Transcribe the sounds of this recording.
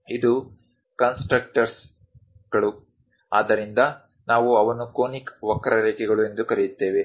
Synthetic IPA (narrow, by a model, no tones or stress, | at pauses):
id̪u | kɐnsʈɾɐk̚ʈɐɾs | ɡ̥ɐɭu | aːd̪ɐɾind̪ɐ | naːʋuɐʋɐnːukoːnikʋɐkːɐɾɐɾeːkɛɡɐɭue̞nd̪ukɐɾijut̪ːe̞ːʋe̞